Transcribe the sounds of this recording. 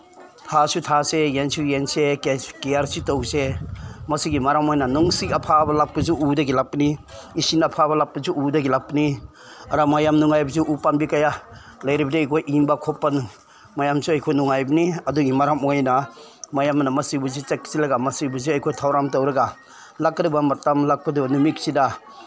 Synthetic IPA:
tʰasutʰasejensujensekejaɾsitowsemɐsiɡimaɾamojnɐnɔŋsikɐpʰabɐlap̚ːɐzuʔːdɐɡilak̚pɐniːsinɐpʰaβɐlap̚ːɐzuudɐɡilak̚pɐni | ɐɾamajamnuŋajbɐzuʔupanbikaja | lɐjɾibɐdiɐjkʰojʔiŋbakʰɔpːanu | majamsuɐjkʰojnɔŋajbɐniɐduɡimaɾamojnamajamnamɐsibuzit͡ʃeksilaɡamɐsibuziɐjkʰojtʰawɾamtawɾɐɡa | lakːdibamatːamlak̚pɐdibɐnumiksida

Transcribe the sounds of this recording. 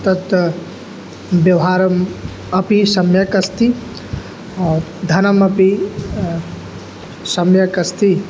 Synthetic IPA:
t̪ɐt̪ɐ | bjɐwɦaːɾɐm | ɐpisɐmjɐkɐst̪i | ɔːɾd̪ʱɐnɐmɐpi | sɐmjɐkɐst̪i

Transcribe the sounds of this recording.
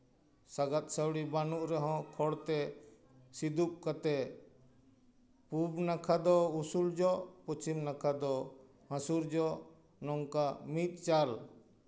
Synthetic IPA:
saɡat̪̚sawɽibanuʔɾɛɦɔ̃kʰɔɽt̪ɛ | sid̪up̚kat̪ɛ | pubnakʰad̪ɔusuld͡ʒɔʔpɔt͡ʃimnakʰad̪ɔ | hãsuɾd͡ʒɔʔ | nɔŋkamit̪̚ˀt͡ʃal

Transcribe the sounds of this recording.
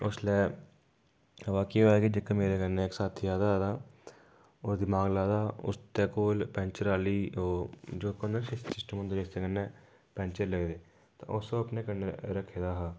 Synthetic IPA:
ʊslɛː | ʋaːkeːoɛːkid͡ʒɪkemeːɾeːkəɾneːksaːt̪ʰːijaːd̪ad̪aː | oːɾd̪ɪmaːɡlaːd̪aːʊ̰st̪eːkoːlpɛ̃ːnt͡ʃəɾaːliːoːd͡ʒoːkonəɾsɪssɪsʈəmənd̪od͡ʒest̪eːkənːeː | pɛ̃ːnt͡ʃəɾləɡd̪eː | t̪ã̰ːʔʊsoːəpneːkəneɾəkʰːeːd̪aːɦaː

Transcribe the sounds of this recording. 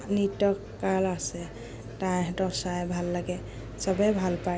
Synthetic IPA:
nitɔkːaɹlasɛ | tajɦɛtɔsajbʱalːaɡɛ | sɔbɛbʱalpa

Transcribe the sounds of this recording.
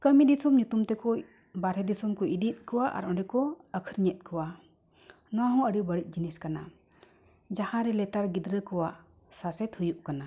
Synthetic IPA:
kəmid̪isɔmɲut̪umt̪ɛkɔ | baɾɛd̪isɔmkɔʔid̪it̪̚ˀkɔwaʔa̰ɾʔɔ̃ɖɛkɔəkʰəɾɲɛt̪̚kʰɔwa | nɔwaɦɔ̃əɖibəɽit̪̚ˀd͡ʒiniskana̰ | d͡ʒahãɾɛlɛt̪aɾɡid̪ɾəkɔwa | sasɛt̪hujuʔkana

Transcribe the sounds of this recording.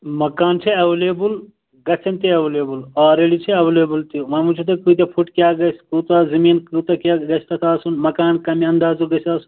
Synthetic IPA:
mɐkaːnt͡ʃʰeɐʋeleːbul | ɡɐsʰɐnt̪eɐʋeleːbulɔːɾeːɽit͡ʃʰeɐʋeleːbult̪iʋãmut͡ʃʰut̪ɐkuit̪ɐpʰuʈkjaɡɐskut̪ɐzɐmiːnkut̪ɐkaɡɐsʰt̪ɐt̪ʰaːsunmɐkaːnkɐmiɐ̃nd̪aːzuɡɐsʰaːsu̥

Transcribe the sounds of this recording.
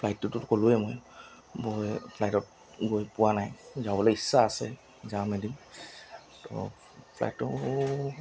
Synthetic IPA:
pʰlajtːutʊtkolʊɛmoj | bojpʰlajtɔt̚ | ɡojpʊwanajzabɔlɔjisːaːsɛ̰ | zamɛdim | tɔ̰ | pʰla̰jtːɔ

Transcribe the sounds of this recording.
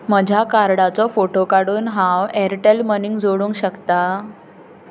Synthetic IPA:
məd͡ʑʱakaɾɽat͡sɔfoʈokaɽuːnɦãwɛɾʈelməniŋɡd͡zoɽuːŋkɕəkt̪a

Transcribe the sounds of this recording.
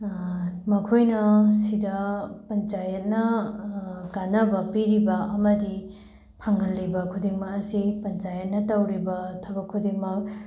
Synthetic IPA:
mɐkʰojnɐsidɐpɐnt͡ʃajɐt̚nɐ | ɡanɐbɐpiɾibɐɐmɐdi | pʰaŋɦɐlːibɐkʰudiŋmɐkɐsipɐnt͡ʃajɐt̚nɐtɐwɾibɐtʰɐbɐkʰːudiŋmɐk̚

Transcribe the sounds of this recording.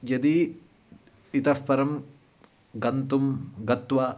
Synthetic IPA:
jɐd̪i | it̪ɐfpɐɾɐm | ɡɐnt̪umɡɐt̪ʋɐ

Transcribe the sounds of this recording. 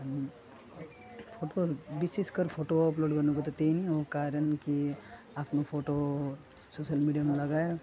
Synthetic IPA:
ɦəni | pʰoʈobiseskəɾpʰoʈoɔploɖkʌɾnuk̬ot̪ɔt̪einiokaɾənki | apʰnopʰoʈo | sosəlmiɖijameləɡae

